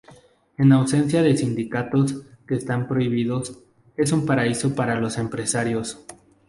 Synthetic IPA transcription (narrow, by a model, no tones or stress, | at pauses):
e̞nawse̞nsjaðe̞sind̪ikat̪o̞ske̞ːst̪ampɾo̞iβ̞iðo̞s | e̞sumpaɾaiso̞paɾalo̞se̞mpɾe̞saɾjo̞s